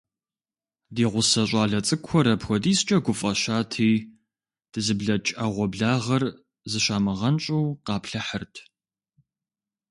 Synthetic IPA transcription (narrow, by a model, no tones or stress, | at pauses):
diːʁʷʊsɐɕʼaːɮɐt͡sʼɨkʷʰɔɾɐpʰxʷɔdiːst͡ʃʼɐɡʷʊfʼɐʃaːtʰiː | d̥ɨzɨbɮɐt͡ʃʼɐʁʷɔbɮaːʁɐr | zɨɕaːmɨʁɐnt͡ʃʼuːqɑːpɬɐħərtʰ